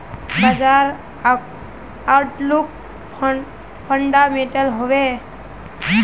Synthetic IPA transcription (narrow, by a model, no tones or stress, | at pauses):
bəd͡ʒaɾ | awʈluk | pʰəɳɖameʈəlɦoʋe